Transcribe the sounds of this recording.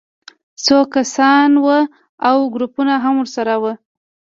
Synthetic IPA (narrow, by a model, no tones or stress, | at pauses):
sokasɑnwə | awɡɾupunaɦamwʊɾsaɾawə